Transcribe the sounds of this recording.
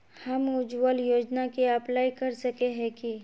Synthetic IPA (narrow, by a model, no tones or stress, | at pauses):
hɐmʊd͡ʒwəljoːd͡ʒnakiɐplaːikɐɾsɐkeɦɛ̃ki